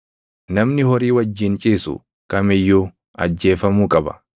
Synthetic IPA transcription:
nɐmnɪhɔɾiːwɐd͡ʒːɪnt͡ʃʼiːsʊ̰ | kɐmɪjːu | ɐ̰d͡ʒːe̞ːfɐmuːkʼɐbɐ̥̰

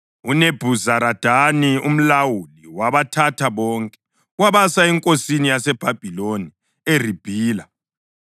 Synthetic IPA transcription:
uneb̥ʱuzaɾad̥ʱanium̩lawuliwaβatʰatʰaβɔːŋkʼɛ | ɣwaβasaɛŋkʼosinijasɛb̥ʱab̥ʱiloni | erib̥ʱiːla

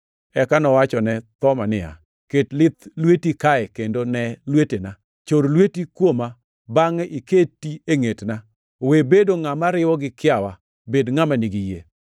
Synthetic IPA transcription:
ɛkanɔwat͡ʃɔnɛt̪ɔmanɪa̰ | ketlɪt̪lwetikaɛkendonɛlwetena | t͡ʃoɾlwetikwoma | baŋɛʔiketːieŋetna | webedoŋamaɾɪwɔɡɪkɪawa | bedŋamaniɡijḛ

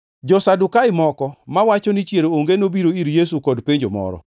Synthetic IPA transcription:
d͡ʒɔsadukaɪmɔkɔmawat͡ʃɔnit͡ʃjeɾooŋɡenobiɾoiɾjesukɔdpeɲd͡ʒomɔ̰ɾɔ̰

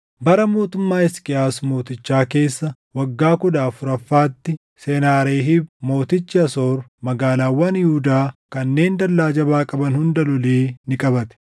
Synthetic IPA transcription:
bɐɾɐmo̞ːt̪ʊmːaːɪskʼɪaːsmo̞ːt̪ɪt͡ʃːaːke̞ːsːɐ | wɐɡːaːkʊd̪aːfʊɾɐfːaːt̪ːɪ | senaːɾeːɦɪmo̞ːt̪ɪt͡ʃːɪɐso̞ːɾmɐɡaːlaːwːɐnjɪhʊd̪aːkɐnːe̞ːnd̪ɐlːaːd͡ʒɐbaːkʼɐbɐnhʊnd̪ɐlʊleːnɪkʼɐbɐt̪ɛ̥

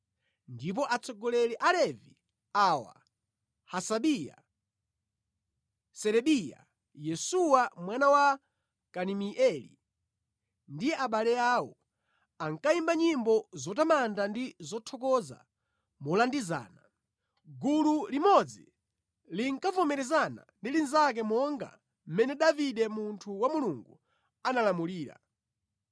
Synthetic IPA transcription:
ndip̬ɔʔat͡sʰɔɡɔlɛlɛʔalɛvi | aːwa̰ | hasaɓija̰ | sɛɾɛɓija̰ | jɛsuwamwanawa | kanimiʔɛlḭ | ndiɛaɓalɛaːwɔ | aŋkaimbaɲimbɔzɔtamandandizɔtʰɔkɔza̰ | mɔlandiza̰ːna | ɡululimɔd͡zi | liŋkavɔmɛɾɛzana̰ndilinzak̬ɛmɔŋɡa̰ | m̩mɛnɛɗaviɗɛmuntʰuwamuluŋɡu | analamuliːɾa̰

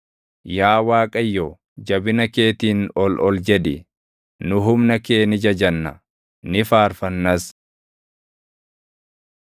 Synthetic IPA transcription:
jaːwaːkʼɐjːɔ | d͡ʒɐbɪnɐke̞ːt̪iːnɔlʔɔld͡ʒɛd̪ɪ | nʊɦʊmnɐkeːnɪd͡ʒɐd͡ʒɐnːɐ̰ | nɪfaːɾfɐnːɐs

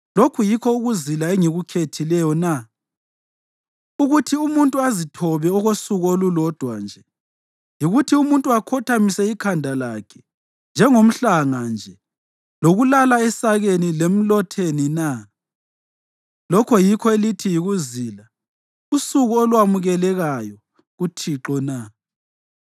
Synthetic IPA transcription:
lokʰujikʰɔuɣuzilaeŋiɣukʰetʰilɛjɔna | uɣutʰiumuntʼuazitʰɔβɛɔɣosuɣuolulɔd̥ʱwa̰nd͡ʒʱɛ | jiɣutʰiumuntʼuakʰɔtʰamisɛikʰandʱalakʰɛ̥ | nd͡ʒʱɛŋom̩ɬaŋand͡ʒʱɛ | loɣulalaɛsaɣenilem̩lɔtʰenina | lɔkʰɔjikʰɔelitʰijiɣuziːla | usuɣuolwamuɣɛlɛɣajɔ | ɣutʰiǁɔna

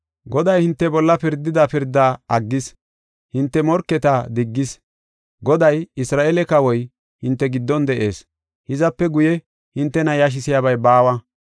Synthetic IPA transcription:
ɡɔd̪ɐjhɪnt̪ːɛbɔlːɐpɪɾd̪ːɪd̪ɐpɪɾd̪ːaɐɡːɪs | hɪnt̪ːɛmɔɾkːɛt̪ɐd̪ɪɡːɪs | ɡɔd̪ɐjɪsɾaːʔɛlɛkɐwɔj | hɪnt̪ːɛɡɪd̪ːɔnd̪ɛʔe̞ːs | hɪzɐpːɛɡʊjɛ | hɪnt̪ːɛnɐjaʃ̬ɪsɪjaβɐjbaːwɐ

